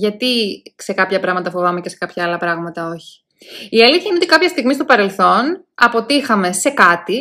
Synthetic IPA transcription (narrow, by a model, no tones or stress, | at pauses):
ʝɐt̪ise̞kɐpçɐpɾɐɣmɐt̪ɐfovɐmece̞se̞̥kɐpçɐɐlɐpɾɐɣmɐt̪ɐo̞çi̥ | iɐliθçɐinotikɐpçɐst̪iɣmist̪opɐɾe̞lθo̞n | ɐpo̞t̪ixɐme̞se̞kɐt̪i